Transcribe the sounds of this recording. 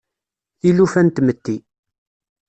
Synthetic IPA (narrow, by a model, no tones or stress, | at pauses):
ilufænt̪mət̪ːi